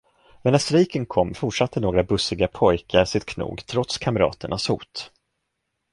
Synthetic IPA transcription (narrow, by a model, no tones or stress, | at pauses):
mɛnasɾiːkənkʰɔmːfʊʈʂat̪ʰːənoːɡɾabɵsɪɡapʰɔjkʰaɾsɪt̪̚kʰnṵːɡt̪ʰɾɔt̪skʰamɾɑ̰ːt̪əɳashṵːt̪